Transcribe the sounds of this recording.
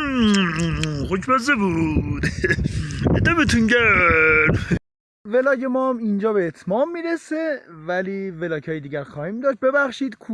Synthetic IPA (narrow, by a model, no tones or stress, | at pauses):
hocmæzebuɾud̪ | ed̪æbet̪ʰunɟæ | velɒːɟemɒːmind͡ʒɒːbeːt̪ʰmɒːmːiːɾesevæliːvelɒːcʰɒːjed̪iːɟæɾxɒːhiːmd̪ɒːʃt̪̚be̞bæxʃiːd̪̥kʰu